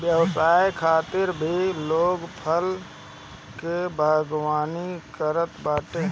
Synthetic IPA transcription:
bjəʋsaːjkʰaːt̪ɪɾbʱiloːɡpʰəl | kebʱaːɡwaːnikəɾət̪baːʈe

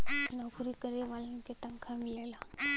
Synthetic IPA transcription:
knapuɾikəɾeʋalɐket̪ɐ̃ŋkʰamɪlela

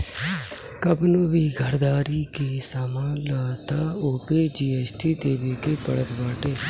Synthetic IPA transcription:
kəbnũːʋiːɡʱəɾd̪aːɾiːkiːsamãːlaːt̪aːoːpeːd͡ʒiːɛːsʈʰiːd̪eːʋeːkeːpəɽət̪baːʈeː

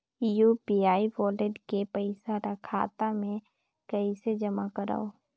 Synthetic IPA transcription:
jupiaːiʋɔːleʈkepəɪsaɾəkʰa̰ːt̪amẽ | kɐised͡ʒəmakəɾa̰ːoː

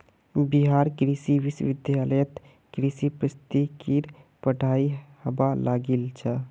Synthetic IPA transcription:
biɦaːɾkɾisiʋisʋɪd̪jaləjət̪ | kɾisipɾəst̪ikiɾpəɖʱaihəbalaɡilt͡ʃʰə

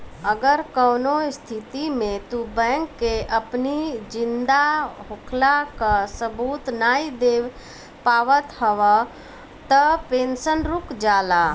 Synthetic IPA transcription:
əɡəɾkəːnoɪst̪ʰɪt̪imẽt̪ubɛ̃ːŋkːeʔəpnid͡ʒɪ̃nd̪aɦʊkʰlakasəbuːt̪naːid̪eːw | paːʋət̪həʋa | t̪əpeːnsənɾʊkd͡ʒaːlaː

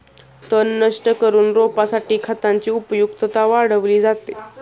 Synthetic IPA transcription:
t̪ənːəʂʈəkəɾuːnɾopasaʈiːkʰat̪aɲt͡ɕiːupjukt̪ət̪aʋaɽəʋliːd͡zat̪e

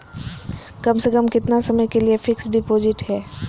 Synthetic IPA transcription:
kɐmsekəmkɪt̪nasɐməjkeliefɪksɖɪpoːzɪʈɦɛː

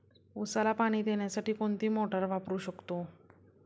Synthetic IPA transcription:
usalapaɽ̃iːd̪eɳjasaʈiːkoɳt̪iːmoʈəɾʋapɾuːɕəkt̪o

